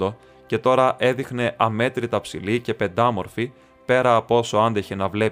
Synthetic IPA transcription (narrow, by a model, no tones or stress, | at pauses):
d̪o̞ | ce̞t̪o̞ɾɐʔe̞ðixne̞ʔɐme̞t̪ɾit̪ɐpsḭlice̞pe̞nd̪ɐmo̞ɾfi | pe̞ɾɐːpo̞so̞ɐnd̪eçenɐvle̞